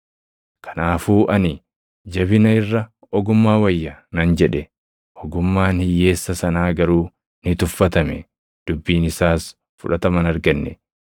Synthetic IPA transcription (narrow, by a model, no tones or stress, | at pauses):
kɐ̥naːfuːʔɐnɪ | d͡ʒɐβɪnɐɪrːɐ | ɔɡʊmːaːwɐjːɐnɐnd͡ʒɛᶑɛ | ʔɔɡʊmːaːnhɪjːe̞ːsːɐsɐnaːɡɐɾuː | nɪt̪ʊfːɐt̪ɐmɛ | d̪̥ʊbːiːnɪsaːs | fʊᶑɐt̪ɐmɐnɐɾɡɐnːɛ